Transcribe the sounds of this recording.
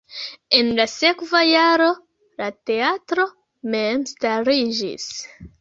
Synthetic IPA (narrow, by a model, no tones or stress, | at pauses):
e̞nlase̞kvajaɾo̞ | late̞atɾo̞ | me̞mstaɾid͡ʒḭs